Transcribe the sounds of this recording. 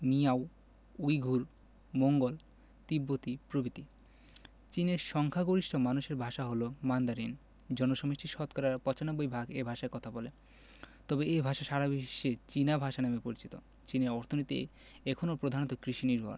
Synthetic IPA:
niaw | ujɡʱuɾ | moŋɡol | t̪ibːot̪ipɾobit̪i | t͡ɕineɾʃɔŋkʰaɡoɾiʃʈʰomanuʃeɾbʱaʃaɦolomand̪aɾin | d͡ʑɔnoʃɔmiʃʈʰiɾʃɔt̪kɔɾaɾpɔt͡ɕanɔbːojbʱaɡebʱaʃaɾkɔt̪ʰabole | t̪ɔbeebʱaʃaʃaɾabiʃːet͡ɕinabʱaʃanemepoɾit͡ɕit̪o | t͡ɕineɾɔɾt̪ʰonit̪ḛ | ɛkʰonopɾod̪ʱanot̪okɾiʃiniɾbʱa̰ɾ

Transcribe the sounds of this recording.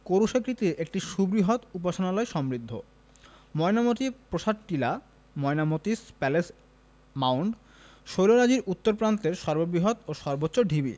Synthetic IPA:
koɾuʃekɾit̪iɾek̚ʈiʃubɾiɦot̪up̬aʃonalɔeʃɔmɾid̪ʱːo̰ | mɔjnamot̪ipɾoʃaʈ̪̚ʈila | mɔenamot̪ispɛles | mawɳɖ | ʃojloɾad͡ʑiɾut̪ːoɾpɾant̪eɾʃɔɾbobiɦot̪oʃɔɾbotːɕoɖʱibḭ

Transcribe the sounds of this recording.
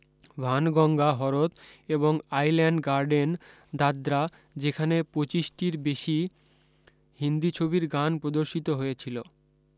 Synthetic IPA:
bʱanɡɔŋɡaɦɔɾot̪eboŋajlɛɳɖɡaɾɖen | d̪ad̪ɾa | d͡ʑekʰanepɾot͡ɕiʃʈiɾbeʃi | hind̪it͡ɕʰobiɾɡanpɾod̪oɾʃit̪oɦojet͡ɕʰilo

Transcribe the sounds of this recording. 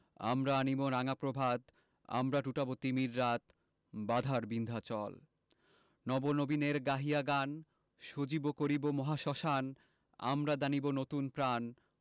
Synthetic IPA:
a̰mɾaaniboɾaŋapɾobʱad̪ | a̰mɾaʈuʈabot̪ːimiɾːat̪ | bad̪ʱaɾbind̪ʱat͡ɕɔl | nɔbonobineɾɡaɦiaɡan | ʃod͡ʑibokoɾibomɔɦaʃɔʃan | a̰mɾad̪anibonot̪unpɾan

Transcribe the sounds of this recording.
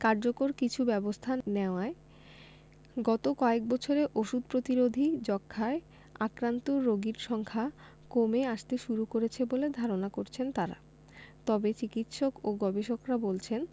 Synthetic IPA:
kaɾd͡ʑokoɾkit͡ɕʰubɛbost̪ʰaneoae | ɡɔt̪okɔek̚bɔt͡ɕʰoɾeʔoʃud̪̚pɾot̪iɾod̪ʱid͡ʑɔkʰːae | akɾant̪oɾoɡiɾʃɔŋkʰa | komeaʃt̪eʃuɾukoɾet͡ɕʰeboled̪ʱaɾonakoɾt͡ɕʰent̪aɾa̰ | t̪ɔbet͡ɕikit̪ʃokoɡɔbeʃokɾabolt͡ɕʰen

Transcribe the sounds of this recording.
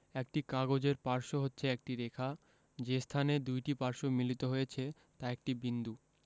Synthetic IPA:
ek̚ʈikaɡod͡ʑeɾpaɾʃoɦotːɕʰeek̚ʈiɾekʰa | d͡ʑest̪ʰaned̪ujʈipaɾʃomilit̪oɦojet͡ɕʰe | t̪aek̚ʈibind̪u

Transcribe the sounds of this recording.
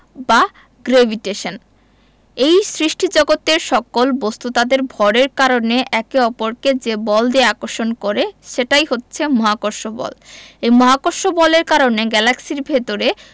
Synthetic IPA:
ba | ɡɾebʱiʈeʃon | ejsɾiʃʈʰid͡ʑɔɡot̪ːeɾʃɔkolbost̪ut̪ad̪eɾbʱɔɽeɾkaɾoneʔɛkeɔpoɾked͡ʑebɔld̪eeakoɾʃonkoɾeʃeʈajɦotːɕʰemɔɦakoɾʃobɔ̰lejmɔɦakoɾʃobɔleɾkaɾoneɡɛlaksiɾbʱet̪oɾe

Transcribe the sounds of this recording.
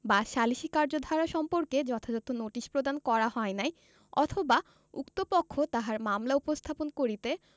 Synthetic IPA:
baʃaliʃikaɾd͡ʑod̪ʱaɾaʃɔmpoɾked͡ʑɔt̪ʰad͡ʑɔt̪onoʈiʃpɾod̪ankɔɾaɦɔenaj | ɔt̪ʰoba | ukt̪opokʰːot̪aɦaɾmamlaupost̪ʰaponkoɾit̪e

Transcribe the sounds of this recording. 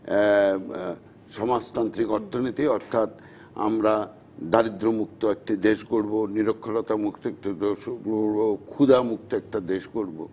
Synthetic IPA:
ʃɔmad͡ʑt̪ant̪ɾikɔɾt̪ʰonit̪iɔɾt̪ʰat̪ | a̰mɾa | d̪aɾid̪ɾomuk̚t̪oɛk̚ʈid̪eʃkoɾboniɾokʰːolot̪amukt̪oɛkʈo | kʰud̪amuk̚t̪oɛk̚ʈad̪eʃkoɾbo̰

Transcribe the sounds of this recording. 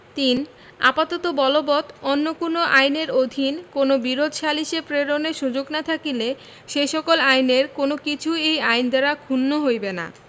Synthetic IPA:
t̪in | a̰pat̪ɔt̪obɔlobɔt̪onːokonoʔajneɾod̪ʱinkonobiɾod̪ʱʃaliʃepɾeɾoneɾʃud͡ʑoɡnat̪ʰakile | ʃeʃɔkolajneɾkonokit͡ɕʰuejajnd̪eɾakʰunːoɦojbena̰

